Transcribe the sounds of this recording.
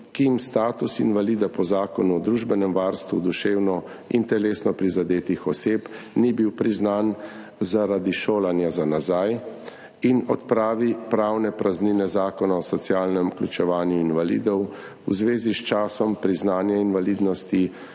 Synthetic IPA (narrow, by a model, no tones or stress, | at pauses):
kimst̪aːt̪usḭnʋaliːd̪apɔzaːkɔnuɔd̪ɾuːʒbɛnɛmʋaɾst̪ʋud̪uʃeːwnɔ | ḭnt̪ɛleːsnɔpɾizad̪eːt̪ixɔseːpnibiwpɾiznan | zaɾad̪iʃoːlanjazanazaj | inɔt̪pɾaːʋipɾawnɛpɾazniːnɛzaːkɔnaɔsɔt̪sijaːlnɛmklʲut͡ʃɛʋaːnjuinʋalḭːd̪ɔw | uzʋeːzist͡ʃaːsɔmpɾiznaːnjainʋaliːd̪nɔst̪i